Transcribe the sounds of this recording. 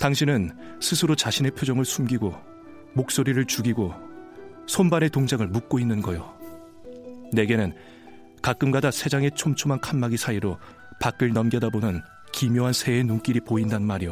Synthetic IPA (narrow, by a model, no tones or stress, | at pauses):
taŋɕʰinɯnsʰɯsʰɯɾot͡ɕaɕʰine̞pʰjud͡ʑʌŋɯɭsʰumɡiɡo | mok̚s͈oɾiɾɯɭt͡ɕuɡiɡo | sʰombane̞toŋd͡ʑaŋɯɭmuk̚k͈oinːɯnɡʌjo | ne̞ɡe̞nɯn | kak͈ɯmɡadasʰe̞d͡ʑaŋe̞t͡ɕʰomt͡ɕʰomankʰanmaɡisʰaiɾo | pak͈ɯɭnʌmɡjʌdabonɯn | kimjoɦansʰe̞ːnuŋk͈iɾipoindannmaɾijo